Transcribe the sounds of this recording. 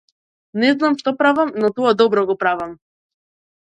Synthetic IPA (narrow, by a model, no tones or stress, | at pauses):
nɛznamʃt̪ɔpɾavamnɔt̪ɔad̪ɔbɾɔɡɔpɾavam